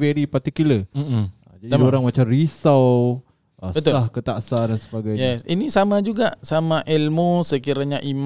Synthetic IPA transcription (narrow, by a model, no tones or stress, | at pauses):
vɛɾipat̪ikuləad͡ʒadioɾaŋmat͡ʃarisaw | ʔəbətsʊahkət̪aʔsadansəbaɡajɲɛsḭnisamad͡ʒuɡaʔsamãʔɛlmosəkiɾaɲaʔim